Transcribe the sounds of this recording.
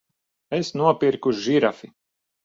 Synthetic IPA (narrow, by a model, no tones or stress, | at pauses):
esnuɔpiɾkuʒʒiɾafi